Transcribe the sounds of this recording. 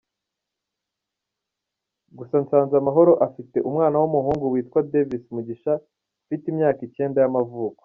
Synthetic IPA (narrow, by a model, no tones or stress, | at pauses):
ɡusant͡saːnzamaɦo̞ɾo̞ʔafite̞ʔumŋaːnawumuhuːŋɡuwiːtkwadevismuɟiʃa | fitimɲaːkice̞ːndajamavuːko̥